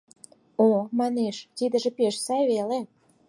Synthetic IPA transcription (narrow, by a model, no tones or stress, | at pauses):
omɑneʃkid̪ə̆ʒĕpeʃsɑjβele